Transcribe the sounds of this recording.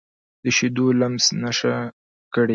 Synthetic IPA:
d̪əʃed̪olamznaʃa | kəɽe

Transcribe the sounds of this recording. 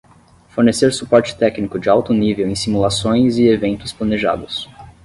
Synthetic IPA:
foɾneseɾsupɔɾt͡ʃɪ̥t̪ɛknikʊd͡ʒɪawt̪ʊnivewẽj̃simulasõj̃zɪevẽnt̪ʊsplaneʒa̰d̪ʊs

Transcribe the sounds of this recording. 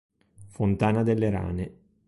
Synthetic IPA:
font̪aːnad̪elːeɾa̰ːne

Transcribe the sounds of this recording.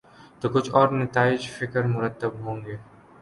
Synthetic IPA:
t̪oːkʊt͡ʃʰɔːɾnɐt̪aːɪd͡ʒfɪkəɾmʊɾət̪ːəbɦõːŋɡeː

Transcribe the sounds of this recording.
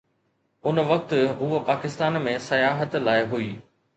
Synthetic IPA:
ʊnʋɐk̚t̪ɦuːəpaːkɪst̪aːnmẽsɐjaːɦət̪laːɪɦuiː

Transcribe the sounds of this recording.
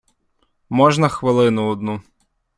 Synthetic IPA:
mɔʒnɐxʋɪlˠɪnʊɔd̪̚nu

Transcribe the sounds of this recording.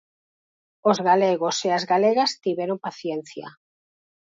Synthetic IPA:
ozɣaleɣoseazɣaleɣast̪iβeɾompaθjenθja̰

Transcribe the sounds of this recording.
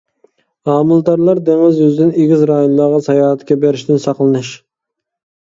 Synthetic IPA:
ɑːmɨlˠd̪ɑɾlˠɑɾd̪eŋɪzøzd̪ɪneɡʲɪzɾɑjunlˠɑʁɑsɑjɑːɦɛt̪kʲɛbeɾɪʃt̪ɪnsɑqlˠɨnɨʃ

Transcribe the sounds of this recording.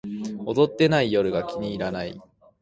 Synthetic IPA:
o̞d̪o̞t̪ːe̞naijo̞ɾɯ̟ɡakʲiɲ̟iːɾanai

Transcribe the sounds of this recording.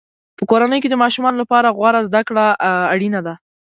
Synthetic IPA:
pəkoɾanəjked̪əmɑʃumɑnolapɑɾaɣwaɾazd̪akɽaːɽinad̪a

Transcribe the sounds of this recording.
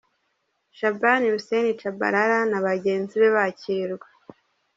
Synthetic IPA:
ʃabaniɾusenit͡ʃaba̰ɾaɾanaβaɟe̞ːnziβe̞βaciɾɡwa

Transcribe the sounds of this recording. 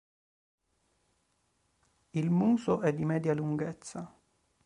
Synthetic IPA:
ilmuːsʊʔɛd̪ːimɛːd̪jaluŋɡɛt̪sːa

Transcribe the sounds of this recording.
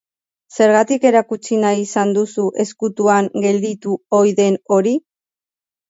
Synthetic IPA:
se̞ɾɣat̪ike̞ɾakut͡sinajisand̪usuʔe̞skut̪uaŋɡe̞ld̪it̪uo̞jðe̞no̞ɾi

